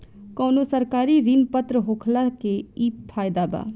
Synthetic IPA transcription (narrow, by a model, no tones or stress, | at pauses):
koːnoːsəɾkaːɾiːɾinpət̪ɾəɦoːkʰlaːkeiːppʰːaːjd̪aːba̰ː